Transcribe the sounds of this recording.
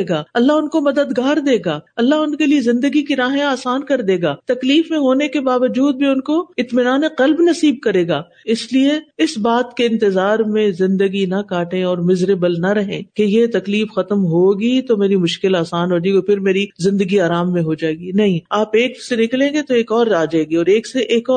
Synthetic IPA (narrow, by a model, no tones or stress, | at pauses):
ɡaːɐlːaɦʊnkomɐd̪əd̪ɡaːɾd̪eːɡaːɐlːaɦʊnkeliezɪ̃nd̪əɡikiɾaːɦẽaːsaːnkɐɾd̪eːɡaːt̪ɐkliːfmẽɦoːnekebaːʋəd͡ʒuːd̪̚bʱiʊnkoɪt̪mɪnaːneqɐlbnɐsiːb̚kɐɾeːɡaː | ɪslieɪsbaːt̪keɪ̃nt̪ɪzaːɾmẽzɪ̃nd̪əɡinɐkaːʈẽɔːɾmɪzɾebəlnɐɾɐɦḛ̃ːkejet̪ɐkliːfxɐt̪əmɦoːɡit̪omeːɾimʊʃkɪlaːsaːnɦoːd͡ʒaɡopʰɪɾmeːɾizɪ̃nd̪əɡiaːɾaːmːẽɦod͡ʒaːeːɡinɐɦĩaːpeːksenɪklẽːŋɡet̪oeːkɔːɾaːd͡ʒaːeːɡiɔːɾeːkseʔeːkɔː